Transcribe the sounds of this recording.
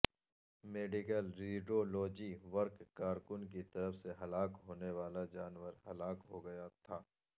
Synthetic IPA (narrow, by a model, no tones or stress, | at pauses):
meːɖɪkəlɾiːɖoːloːd͡ʒiʋɐɾkːkaːɾkʊnk̬it̪ɐɾəfseɦɐlaːkɦoːneʋaːlad͡ʒaːnʋəɾɦɐlaːkɦoɡɐjat̪ʰaː